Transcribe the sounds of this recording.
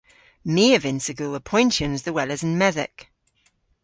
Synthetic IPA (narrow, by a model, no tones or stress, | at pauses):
miːəvɪ̃nsəɡəlˠəpʰɔ̃ɪ̃ntjə̃nzðəwɛləzə̃nmɛðɪ̰k